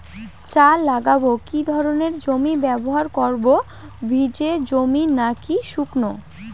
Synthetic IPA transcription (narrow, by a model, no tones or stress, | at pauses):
t͡ɕalaɡabokid̪ʱɔɾoneɾd͡ʑomibɛboɦaɾkɔɾbo | bʱid͡ʑed͡ʑominakiʃukno